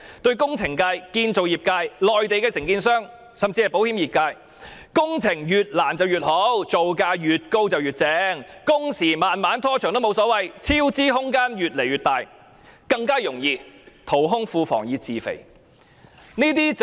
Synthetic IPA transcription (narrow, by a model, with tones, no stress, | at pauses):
t̪ɵ˧ɥkʊ˥ŋt͡sʰɪ˨˩ŋkaː˧jkiː˧nt͡so˨wjiː˨˩p̚kaː˧jlɔː˨jt̪e˨jkɛː˧sɪ˨˩ŋkiː˧nsœː˥ŋ | sɐ˨mt͡siː˧hɐ˨˩po˨˥whiː˨˥mjiː˨p̚kaː˧j | kʊ˥ŋt͡sʰɪ˨˩ŋjyː˨t̚laː˨˩nt͡sɐ˨wjyː˨t̚ho˨˥wt͡so˨wkaː˧jjyː˨t̚ko˧wt͡sɐ˨wjyː˨˩t̚t͡sɛː˨˧˥ŋkʊ˥ŋsiː˨˩maː˨nmaː˨˥nt̪ʰɔː˥t͡ʃʰœː˨˩ŋt̪o˥mo˨˧wsɔː˨˥wɐ˨jt͡sʰiː˥wt͡siː˥ɦʊ˥ŋkaː˥njyː˨t̚le˨˩jɥyː˨˩t̪̚aː˨˩j | kɐ˧ŋkaː˥jʊ˨˩ŋjiː˧t̪ʰo˨˩wɦʊ˥ŋfuː˧fɔ̰ː˨˩ŋjiː˨˧t͡siː˨fḛ˨˩j | niː˥t̪iː˥